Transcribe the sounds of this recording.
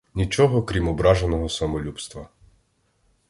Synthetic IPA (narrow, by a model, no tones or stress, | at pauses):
nʲit͡ʃɔɦɔkɾʲimɔbɾɑʒenɔɦɔsɐmɔlʲupst̪ʋɐ